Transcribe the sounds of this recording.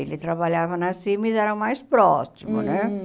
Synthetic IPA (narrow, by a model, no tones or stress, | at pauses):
ḛlɪt̪ɾabaʎavɐnɐsimɐizɛɾɐ̃majspɾɔsimʊ̰nɛ